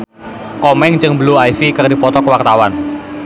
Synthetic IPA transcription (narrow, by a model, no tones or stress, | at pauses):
kɔmɛŋt͡ʃɨŋbəluajfikərdipɔt̪ɔkəwart̪awan